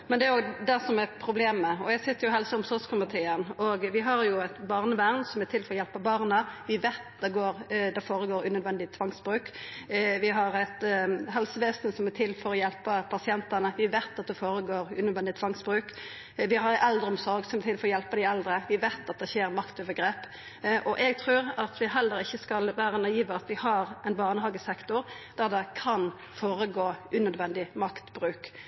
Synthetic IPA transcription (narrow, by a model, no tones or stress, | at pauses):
mɛnd̪ɛæɾjoːd̪æsɔmæpʰɾʊbleːmːəɔjæsɪt̪ːəɾjʊɦɛlsəʊmsɔɾɡskʰʊmət̪ʰeːənɔɡʋɪɦɑɾjʊæɪt̪bɑːʁnəʋæʁnsɔmæt̪ɪlfɔɾɔjɛlpəbɑːɾnəʋɪʋeːt̪d̪ɛɡoːɾd̪ɛfoːɾəɡoːɾʉːnœd̪ʋɛnd̪ɪt̪ʰʋɑŋsbɾʉːk | ʋɪɦɑɾæt̪ɦɛlsəʋeːsnsɔmæt̪ʰɪlːfɔɾɔjɛlpəpʰɑsɪɛnt̪ənəʋɪʋeːt̪ɑt̪̚d̪ɛfoːɾəɡoːɾʉnœd̪ʋɛnd̪ɪt̪ʰʋɑŋsbɾʉːk | ʋɪhɑɾʔɛld̪ʁəɔmsɔɾɡsɔmɛt̪ʰɪlfɔɾɔjɛlpəd̪ɪɛld̪ɾəʋɪʋeːt̪ɑt̪̚d̪ɛçeːɾmɑkt̪øːʋəɾɡɾeːp | ʔɔʔɛɡ̚t̪ʰʁʉːɾɑt̪ʰʋɪɦɛlːəɾɪçːəskɑlʋæːɾənɑiːʋəɑt̪ʋɪhɑɾɛɪnbɑːʁnəhɑɡəsɛkt̪ʊʁ | d̪̥æʁd̪ɛkʰɑn | foːɾəɡoːʔʉnœd̪ʋɛnd̪ɪmɑkt̪bɾʉːk